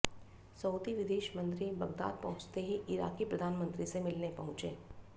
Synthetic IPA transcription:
səwd̪iʋɪd̪eːʃmə̃nt̪ɾibɐɡd̪a̰ːd̪̚pɐ̃ɦʊ̃t͡ʃt̪eɦiʔɪɾa̰ːkipɾəd̪ʱaːnmə̃nt̪ɾisemɪlnepɐɦʊ̃t͡ʃeː

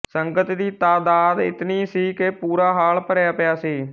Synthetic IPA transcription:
səŋɡət̪d̪iːt̪aːd̪aːd̪ɪ̰t̪niːsiːkepuːɾaːɦaːlpəɾjaːpɪjaːsiː

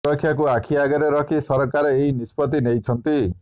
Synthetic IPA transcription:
ʌkʰːjakuakʰiaɡeɾeɾʌkʰisʌɾɔkaɾeeinispɔt̪inejt͡sʰʌnt̪i

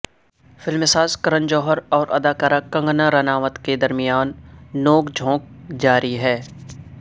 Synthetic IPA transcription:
fɪlmɪsaːzkəɾə̃nd͡ʒɔːɦəɾɔːɾʔɐ̰d̪aːkaːɾakɐ̃ŋɡnaɾɐnaːʋət̪ked̪ɐɾmɪjaːnːoːɡd͡ʒʱõːk̚d͡ʒaːɾiɦɛː

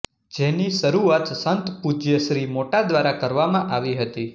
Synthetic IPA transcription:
d͡ʒeniʃəɾuat̪sənt̪pud͡ʒjəʃɾimoʈad̪ʋaɾakəɾʋamãʔaʋiɦət̪i

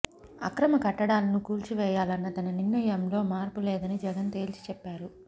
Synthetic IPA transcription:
ɐ̰kɾɐmɐkɐʈːɐɽaːlɐnukuːlt͡ʃiʋɛːjaːlɐnːɐt̪ɐnɐnirnɐjɐmlo̞ːmaːɾpulɛːd̪ɐnid͡ʒɛɡɐnt̪e̞ːlt͡ʃi̥t͡ʃɛpːaːɾu

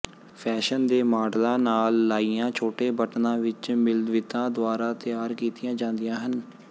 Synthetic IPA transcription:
pʰɛːʃənd̪eːmaːɖlãːnaːlːaːiːãːt͡ʃʰoːʈeːbəʈnãːʋɪt͡ʃmɪld̪ʋɪt̪ãːd̪oaːɾaːt̪ɪjaːɾkiːt̪ɪjãːd͡ʒãːnd̪ijãːɦən

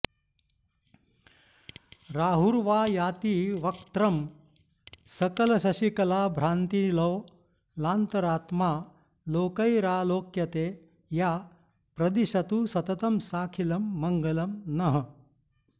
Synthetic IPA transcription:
ɾaːɦuɾʋaːjaːt̪iːʋɐkt̪ɾɐm | sɐkɐlɐsɐɕikɐlaːbʱɾaːnt̪ilɐw | laːnt̪ɐɾaːt̪maː | loːkɐjɾaːloːkjɐt̪eː | jaː | pɾɐd̪iʃɐt̪uːsɐt̪ɐt̪ɐmsaːkʰilɐmːɐŋɡɐlɐmnɐɦɐ

